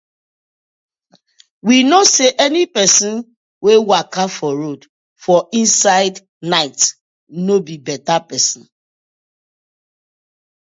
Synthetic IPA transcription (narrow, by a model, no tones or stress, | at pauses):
winoseʔɛnipɛsĩn | wewakafɔɾod | fɔʔĩnsaɪd | naɪt | nobibɛtapɛsɔ̃n̩